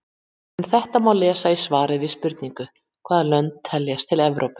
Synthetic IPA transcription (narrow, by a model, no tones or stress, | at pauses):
ɛnθɛht̪amaːwlɛːsaisvaːɾɪðvɪðspʏɾt̪niŋkʏ | kʰvaːðalœnt̪ʰːɛljast̪ʰɪlɛvɾʔowpɪ̥